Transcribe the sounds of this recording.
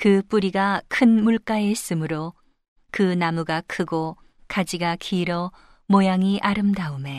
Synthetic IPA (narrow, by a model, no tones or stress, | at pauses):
kɯp͈uɾiɡakʰɯnmuɭk͈aes͈ɯmɯɾo | kɯnamuɡakʰɯɡo | kad͡ʑiɡakʰiːɾʌ | mojaŋiʔaɾɯmdaume̞